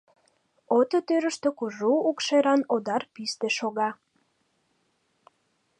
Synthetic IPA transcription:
ot̪ot̪øɾə̆ʃt̪ø̆kuʒuːkʃeɾɑnod̪ɑrpist̪eʃoɣɑ

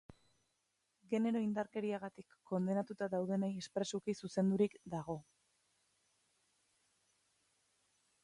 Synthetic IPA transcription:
ɡe̞ne̞ɾo̞ind̪aɾke̞ɾiaɣat̪ikːo̞nd̪e̞nat̪ut̪aðawðe̞naje̞spɾe̞sukisuse̞nd̪uɾikd̪aɣ̞o̞

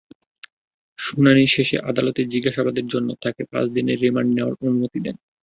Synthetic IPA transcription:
ʃunaniʃeʃḛʔad̪alot̪eɾd͡ʑiɡaʃabad̪eɾd͡ʑonːot̪ʰakepa̰t͡ɕd̪ineɾːimaɳɖneoa̰ɾonumot̪id̪ɛn

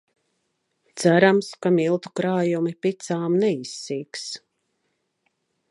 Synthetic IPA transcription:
t̪sæɾamskamilˠt̪u̥kɾaːjumipit̪saːmnɛisːiːks

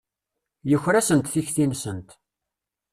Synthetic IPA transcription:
jəçːɾæsənt̪θiçθinsənt̪

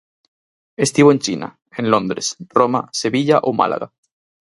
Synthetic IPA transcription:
est̪iβoent͡ʃina̰ | enlõnd̪ɾesromase̞βiʎaʔoma̰lʔa̰ɣa

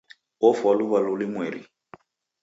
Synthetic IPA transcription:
ɔfwalʊβalʊlɪmweːɾḭ

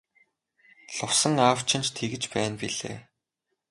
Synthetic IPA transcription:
ɬʊwsə̆ŋawt͡ɕʰɪ̆nt͡ɕt̪ʰeɣɘ̆t͡ɕpæːnpiɮḛː

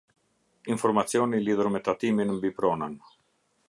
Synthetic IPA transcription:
infɔɾmat͡sjɔniliðuɾmɛt̪at̪iminmbipɾɔnan

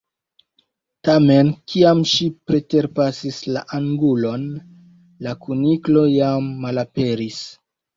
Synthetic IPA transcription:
tame̞nkʰiamʃipɾe̞te̞ɾpasislaʔaŋɡulo̞n | lakʰuniklo̞jamːalape̞ɾis

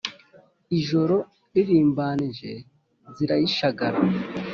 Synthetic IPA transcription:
iʒo̞ɾo̞ | iɾiːmbaːniʒe̞ | ziɾajiʃaɡaɾa

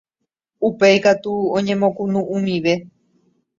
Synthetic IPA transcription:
upejkat̪uõɲẽ̞mõ̞kunũʔũmĩʋe̞

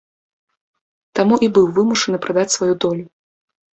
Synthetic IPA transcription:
t̪amuʔibɨwvɨmuʂɐnɨpɾʔad̪at͡sʲsvajud̪ɔlʲu

